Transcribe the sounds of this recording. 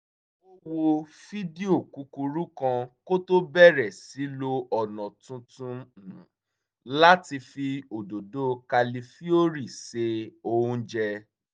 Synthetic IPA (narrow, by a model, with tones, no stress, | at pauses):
o˦wo˧fi˦di˦o˦˨ku˨˦ku˧ɾu˦kã˧ko˦to˦bɛ˦˨ɾɛ˨si˨˦lo˧ɔ˨nɔ̃˨tũ˧tũ˧˨ñ˨ | la˦ti˧fi˧o˨do˨do˦ka˧li˧fi˦o˦ɾi˦˨se˧o˧ũ˧d͡ʒɛ˧